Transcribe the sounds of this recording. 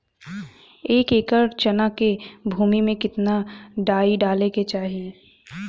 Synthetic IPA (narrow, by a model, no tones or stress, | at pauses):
eːkeːkəɾt͡ʃɐnakebʱuːmimẽkɪt̪naɖaːiɖaːleket͡ʃaːɦieː